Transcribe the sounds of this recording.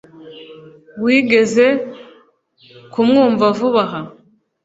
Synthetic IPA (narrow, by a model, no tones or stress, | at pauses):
wiːɡe̞ze̞ | kumŋuːɱvavuβaɦa